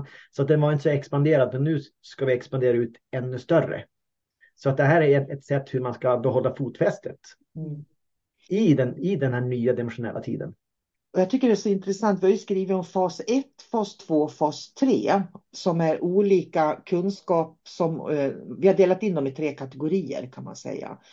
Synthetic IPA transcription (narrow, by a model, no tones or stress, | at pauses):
sɔat̪̚d̪ɛnvaɾɪnt̪əsɔɛkspand̪eːɾad̪mɛnːʉ̟ː | skavɪɛkspand̪eːɾaʉ̟ːt̪ɛnːɵst̪œrə̰ | sɔat̪̚d̪ɛɦæːɾæɾɛnɛt̪sɛt̪ːhɵɾmanskabɛɦɔlːafuːt̪fɛst̪ʰət̪ | ɪd̪ɛnɪd̪ɛnhæːɳyːad̪ɛmɛnʂʊnɛ̰lːʔat̪ʰḭːd̪ə̰n | ɔjɑt̪ʰʏkːəɖɛæʂɔɪnt̪ɾɛsant̪vɪbɪskɾiːvəɾɔmfɑːsɛt̪ːfɑːst̪ʰv̥oːfɑːst̪ʰɾḛːsɔmæɾʔuːliːkakʰɵnskɑːp̚sɔmvɪhaɖeːlat̪ɪnd̪ɔmɪt̪ʰɾeːkʰat̪ɛɡʊɾiːə̰ɾkʰanma̰nsɛ̰jːa̰